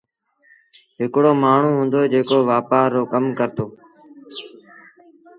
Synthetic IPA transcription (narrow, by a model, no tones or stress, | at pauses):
ɦɪkɽoːmaːɳ̤ũːɦʊ̃ːnd̪oːd͡ʒeːkoːʋaːpaːɾoːkəmkəɾt̪oː